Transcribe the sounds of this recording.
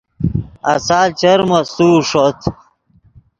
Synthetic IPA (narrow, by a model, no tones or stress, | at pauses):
ɐ̰saːlt͡ɕɐɾmɐsuːʂot̪ʰ